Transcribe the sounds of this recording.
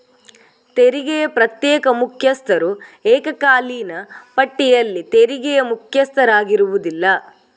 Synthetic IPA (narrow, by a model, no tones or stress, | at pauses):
t̪eɾiɡɛjɐpɾɐt̪jɛːkɐmukʰjɐst̪ʰɐɾuɛːkɐkaːliːnɐpɐʈːijɐlːit̪eɾiɡɛjɐmukʰjɐst̪ʰɐɾaːɡiɾuʋud̪ilːɐ